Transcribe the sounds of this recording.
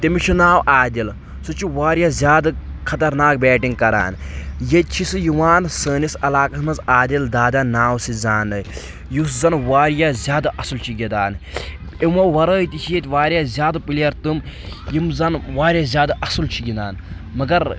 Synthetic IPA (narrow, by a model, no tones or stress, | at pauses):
t̪emit͡ʃʰunaːwʔaːd̪ʲil | sut͡ʃʰiʋaːɾjaːzʲjaːd̪ɐ | kʰɐt̪ɐɾnaːk̚bɛːʈiŋɡ̚kɐɾa̰ːnjet̪̚ʲt͡ʃʰisɨjuʋaːnsəːnisɐlaːkɐsmɐzaːd̪ild̪aːd̪aːnaːwsizaːnɐ | jus̬zɐnʋaːɾjaːzʲjaːd̪aʔɐsɨlt͡ʃʰiɡʲid̪a̰ːn | emɐʋɐɾəːjt̪it͡ʃʰijet̪ʲʋaːɾʲjaːzʲjaːd̪ɐpilijɐɾt̪ɨmjimzɐnʋaːɾʲjaːzʲjaːd̪ɐʔɐsɨlt͡ʃʰiɡʲind̪aːnmɐɡɐɾ